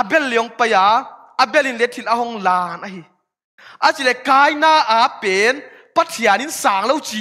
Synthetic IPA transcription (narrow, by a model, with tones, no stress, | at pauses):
ʔa˧bɛ˦˥lːi˨ɔ˨˦ŋpa˧jaː˨˦ | ʔa˨bɛ˧li˧˨nlɛ˨˦t̪ʰi˧˨t̚ʔa˧˦ɦɔ˧˦ŋlaː˧˩nʔa˧˦ɦi˨ | ʔa˨˦t͡si˨lɛ˧˨kaː˧˦jnaː˧˩ʔaː˨˦pe˨˦n | pa˧˦t̪ʰi˨a˨ni˧˦nsaː˨˦ŋlo˧wt͡si˨